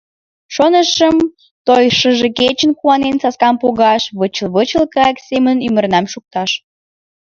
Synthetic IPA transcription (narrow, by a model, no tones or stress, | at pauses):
ʃonəʃəm | t̪ojʃəʒeket͡ɕənkuɑnensɑskɑmpoɣɑʃβət͡ɕəlβət͡ɕəlkəɑksemənymərnɑmʃuk̚t̪ɑʃ